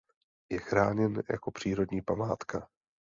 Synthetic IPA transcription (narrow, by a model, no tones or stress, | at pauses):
jɛxɾaːɲɛnja̰ko̞pr̝̥iːɾo̞dɲiːpamaːt̪ka